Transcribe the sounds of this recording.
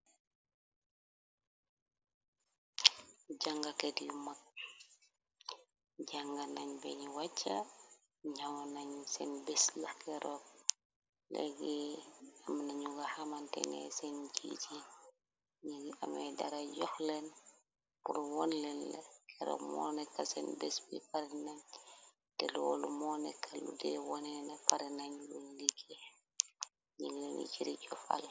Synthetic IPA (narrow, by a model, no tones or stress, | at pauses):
ɟaŋɡakedimak̚ | ɟaŋɡanaɲbɛ̰ɲiwat͡ʃːa | ɲawnaɲsɛnbɛslakɛɾʔɔk̚ | lɛ̰ɡɛamanaɲuɡahamantɛ̰nɛ̰sɛnɟḭci | ɲiɡamɛdɐɾaɟɔxlɛn | puɾwɔnlɛnlɐkʰɛɾɔ̰kmɔ̰ːnɛkːasɛ̰nbɛsbḭpaɾɛnaɲ | tɛlɔːlumɔnɛkʰːalṵdɛwɔnɛnɐpaɾinaɲwonliɡɛ | ɲiɡlɛnḭt͡ʃiɾiɟɔfa̰l